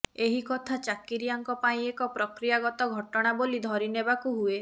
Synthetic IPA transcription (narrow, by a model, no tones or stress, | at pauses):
eɦikɔt̪ʰat͡ʃakiɾijaŋkɔpaĩekɔpɾɔkɾijaɡɔt̪ɔɡʱɔʈɔɽ̃abolid̪ʱɔɾinebakuɦue